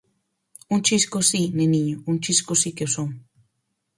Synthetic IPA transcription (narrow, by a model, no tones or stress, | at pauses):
unt͡ʃiskosineniɲount͡ʃiskosikewsoŋ